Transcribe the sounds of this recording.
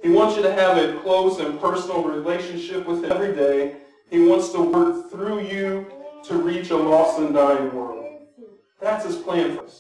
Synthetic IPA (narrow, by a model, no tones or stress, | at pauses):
hiwɑ̃ntsjɨɾɨːvɨkʰl̥oʊsɨ̃npʰɜ˞sn̩l̩ˠɹileɪʃɨ̃nʃɪpwɨð̥ɨvɹideɪ | iwɑ̃ntstʰəwɜ˞k̚θɹujɨɾɨɹit͡ʃəlɔsɨ̃ndaɪɨ̃nwɜ˞lˠd̥̚ | ðætshɨz̥pʰl̥æ̃nfə˞s